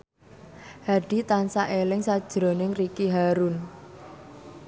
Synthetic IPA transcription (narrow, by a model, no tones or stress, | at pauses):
haɖ̥i̤t̪ansaʔelɪŋsad̥ʒ̥ɾo̤nɪŋrikiɦaɾʊn